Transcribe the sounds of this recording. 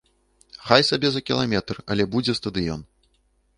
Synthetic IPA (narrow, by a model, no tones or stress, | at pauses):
xajsabʲɛzɐkʲilˠamʲɛt̪rɐlʲɛbud͡zʲɛst̪ɐd̪ɨjɔ̰n